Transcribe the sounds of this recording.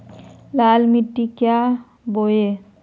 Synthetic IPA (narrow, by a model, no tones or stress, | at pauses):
lalmiʈːikja | boje